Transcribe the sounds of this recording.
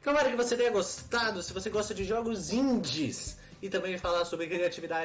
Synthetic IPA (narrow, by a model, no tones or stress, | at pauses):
kɐ̃ɔɾɐkɪvoset̪ẽj̃ɐɡost̪ad̪ʊsɪvoseɡɔst̪ɐd͡ʒɪʒɔɡʊzĩnd͡ʒɪs | ɪt̪ɐ̃mbẽj̃falaɾsobɾɪkɾiat͡ʃivid̪ad͡ʒ